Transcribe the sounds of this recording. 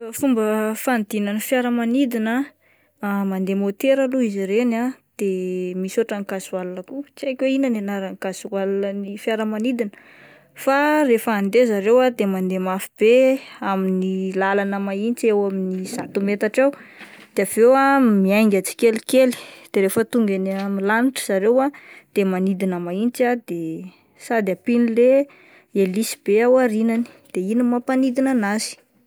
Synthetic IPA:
fumbəfand̪inanəfjaɾəmanid̪ina | mand̪emot̪eɾaluiziɾenad̪̥emisoʈ͡ʂaŋkazuwalunəkut͡siajkʲweinananaɾaŋkazualnənifjaɾəmanid̪inə̥ | farefəːnd̪ezaɾewad̪emand̪emafib̥eaminilalanəmaint͡siewaminiz̥at̪umet̪aʈ͡ʂaw | d̪̥eavewamiajŋɡʲat͡si̥kelikeli̥d̪̥eɾefət̪uŋɡanamilaniʈ͡ʂə̥z̥aɾewad̪̥emanid̪inəmaint͡sad̪̥e | sad̪apinile | elisi̥b̥eawaɾinani̥d̪̥einimapanid̪inanazi̥

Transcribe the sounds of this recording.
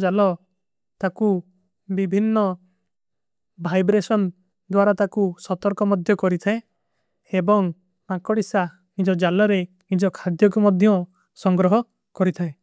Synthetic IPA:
d͡ʒalɔ | t̪aku | bibʱinːɔ | bʱajbɾesɔn | d̪waɾat̪akusɔt̪ɔɾkɔmɔd̪ʱjɔkɔɾit̪ʰae | ebɔŋ | makɔɽisa | nid͡ʒɔd͡ʒalɔɾe | nid͡ʒɔkʰad̪jɔk̬umɔd̪ʱjɔ | sɔŋɡɾɔɦɔ | kɔɾit̪ʰae

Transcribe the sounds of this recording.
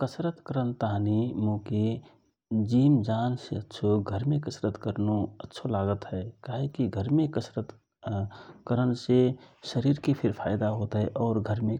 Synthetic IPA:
kəsɾət̪kəɾənt̪aɦnimõːke | d͡ʒiːmd͡ʒaːnseətːʃʰoɡʱəɾmẽkəsɾət̪kəɾnoətːʃʰolaːɡət̪ɦɛːkaːɦekiɡʱəɾmẽkəsɾət̪ | kəɾənseʃəɾiːɾkepʰɪɾpʰaːɪd̪aɦoːt̪ɦɛʔɔːɾɡʱəɾmẽ

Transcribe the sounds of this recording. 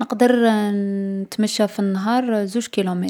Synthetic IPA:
nəqd̪əɾ | ət̪məʃːæfinːɦɑɾˤzuʒkilumi

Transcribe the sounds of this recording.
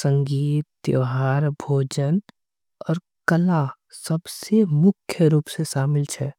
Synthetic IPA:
sə̃ŋɡiːt̪ːjəɦaːɾbʱoːd͡ʒən | ɔːɾ | kəla | sɐbsemʊkʰjəɾuːpseʃaːmɪlt͡ʃʰɛː

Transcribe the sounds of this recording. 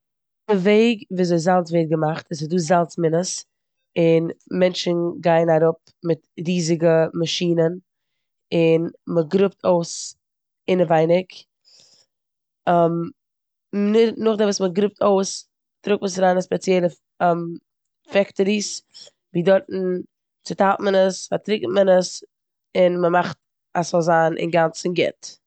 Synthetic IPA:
dəveɪɡviːzeɪzalˠt͡sveɪt̚ɡəmaχtɪs̬ɪduːzalˠt͡smɪnəs | ɪnmɛnt͡ʃn̩ɡaɪnaɾʊp̚ | mɪtɾiːzɪɡəmaʃiːnən | ɪnməɡɾʊptʰoʊs | ɪnəvaɪnɪk | m | nɪnʊχdɪvuːsməɡɾʊp̚tʰoʊs | tɾʊk̚məsɾaːnəspɛt͡sjɛlˠə | m | fɛktəɾis | viːdɔɾtn̩ | t͡sɪtatmənəsfatɾɪktmənəs | ɪnməmaχt | asɔlˠzaːnʔɪ̰nɡant͡sn̩ɡɛ̰t

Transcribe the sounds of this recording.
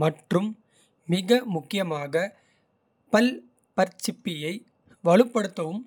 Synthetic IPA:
mɐʈrɯm | mɪɣɐmʊkːɪjɐmaːɣɐ | pɐl | pɐɾt͡ʃːɪpːɪjɐɪ | ʋɐɭɯpːɐɽɯt̪ːɐʋɯm

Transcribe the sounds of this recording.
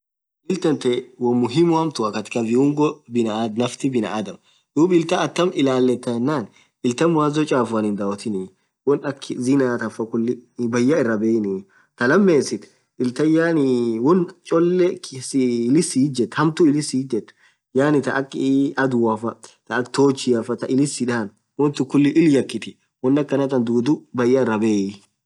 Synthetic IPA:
ʔɪlt̪ɐnt̪ɛwɔmːʊɦɪmʊhɐmt̪ʊɐkɐt̪ɪ̥kɐvɪʊŋɡɔbɪnɐd̪nɐft̪ɪbɪnɐ̰aːd̪ɐm | d̪uːbɪlt̪ɐːt̪ːɐmɪlaːlːɛt̪ːɐjɛnːaːn | ɪlt̪ɐmwaːzɔt͡ʃʼaːfʊɐnɪnd̪ɐɔt̪ɪnɪ | wɔnɐkʰːɪzɪnaːt̪ɐfɐkʊlːɪbɐjːɐɪrːɐbeːɪnɪ | t̪ɐlɐmːeːsɪt̪ | ɪlt̪ɐjaːnɪwɔnt͡ʃʼɔlːɛsɪɪlɪsiɪd͡ʒɛt̪ːhɐmt̪ʊɪlɪsid͡ʒɛt̪ː | jaːnɪt̪ɐʔɐkʼːɪɐd̪ʊɐfɐt̪ɐːkt̪oːt͡ʃːɪɐfɐt̪ɐʔɪlɪsɪᶑaːn | wɔnt̪ʊkːʊlːɪʔɪljɐkːɪt̪ɪ | wɔnːɐkːɐnɐt̪ːɐnd̪uːd̪ʊbɐjːɐɪrːɐbeːɪ

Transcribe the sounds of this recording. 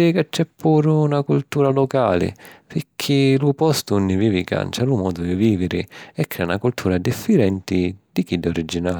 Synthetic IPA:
ɛkat͡ʃːɛpːuːɾʊːnakult̪uːɾalɔkaːlɪ̰pɪkʰːilupɔst̪unːɪviːvika̰nt͡ʃalumɔːd̪ʊd̪iviːvɪɾɪɛkːɾɛːunakult̪ʰuːɾad̪ifːiɾɛnt̪ɪd̪ikid̪ːɔɾid͡ʒːinaːl

